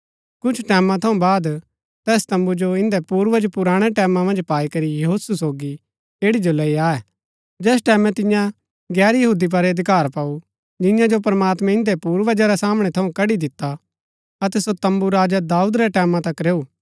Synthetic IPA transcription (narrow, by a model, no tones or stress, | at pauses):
kʊt͡ʃʰʈɛːmãt̪ʰɐũbaːd̪ | t̪ɛːst̪ɐ̃mbud͡ʒoɪ̃nd̪ɛpuːɾʋɐd͡ʒpʊɾaːɽ̃ɛʈɛːmãmɐ̃nd͡ʒpaːikɐɾijɐɦoːsusoːɡi | eːɽid͡ʒolɐiaːɛ | d͡ʒɛːs̬ʈɛːmɛ̃t̪ɪ̃jã | ɡɛːɾjɐɦuːd̪ip̬ɐɾɐd̪ɪkaːɾpɐːu | d͡ʒɪjãd͡ʒopɐɾmaːt̪mɛ̃ɪ̃nd̪ɛpuːɾʋɐd͡ʒaɾɛsaːmɽ̃ɛt̪ʰɐũkɐɽid̪ɪt̪ːa | ɐt̪ɛsot̪ɐ̃mbuɾaːd͡ʒad̪aːuːd̪ɾɛʈɛːmãt̪ɐkɾeːuː